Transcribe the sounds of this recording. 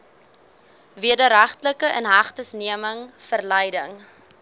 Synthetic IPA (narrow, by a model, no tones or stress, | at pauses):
viədəɾɐχtələkəʔənɦɐχtəsniəməŋfərləjdəŋ